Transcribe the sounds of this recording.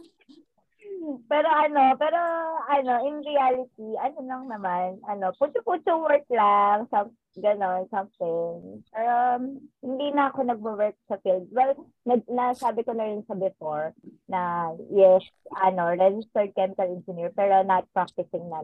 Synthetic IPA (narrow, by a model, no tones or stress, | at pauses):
pɛːɾo̞ʔɐno̞pɛːɾo̞ʔɐno̞ʔɪnɹialɪt̪̚iʔɐnolɐŋnɐmanʔɐno̞pʊnt͡ʃʊput͡ʃʊŋwɛɹk̚laŋsɐm | ɡɐno̞nsɐmt̪ɪŋpɛɹohɪnd̪iːnɐɐko̞nɐɡ̚bɐwɛɹk̚sɐfild̪̚wɛl | nɐnɐsaːbɪkonɐɾɪnsɐbɪfoɹnɐjɛs | ʔɐno̞ɹɛd͡ʒɪst̪ɛɹd̪̚kɛmɪkɐlɛnd͡ʒɪniɹpɛːɾo̞nɐt̪̚pɹak̚t̪ɪsɪŋnɐ